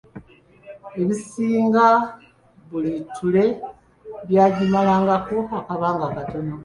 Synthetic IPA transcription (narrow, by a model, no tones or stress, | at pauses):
e̞βisiːŋɡa | βulitʰule̞ | βjaːɟimalaːŋɡakoakaβaːŋɡakato̞no